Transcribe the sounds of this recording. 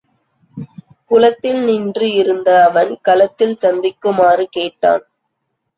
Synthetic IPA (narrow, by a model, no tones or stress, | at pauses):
kʊlɐt̪ːɪlnɪndrɯɪɾɯnd̪ɐːʋɐnkɐlɐt̪ːɪlsɐnd̪ɪkːɯmaːrɯkeːʈːa̰ːn